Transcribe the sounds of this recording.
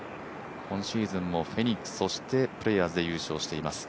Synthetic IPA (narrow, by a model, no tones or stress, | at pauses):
hõ̞ɰ̃ɕiːzɨ̃mːo̞ɸe̞ɲ̟ʲiksɨ̥so̞ɕi̥t̪e̞pɯ̟ɾe̞jazɨd̪e̞jɯ̟ːɕo̞ːɕi̥t̪e̞imasɨ̥